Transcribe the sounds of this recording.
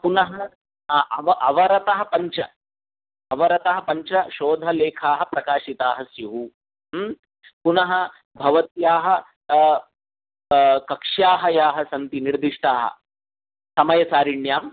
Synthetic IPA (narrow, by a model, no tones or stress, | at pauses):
punɐɦɐ | ɐʋɐʔɐʋɐɾɐt̪ɐɦɐ̆pɐɲt͡ʃɐ | ɐʋɐɾɐt̪ɐɦɐpɐɲt͡ʃɐʃoːd̪ʱɐleːkʰaːɦɐpɾɐkaːʃit̪aːɦɐsjuɦu | punɐɦɐ̆ | bʱɐʋɐt̪jaːɦɐ̆ | kɐkʂjaːɦɐjaːɦɐsɐnt̪iniɾd̪iʂʈaːɦɐ̰ | sɐmɐjɐt͡ʃaːɾiɳjaːm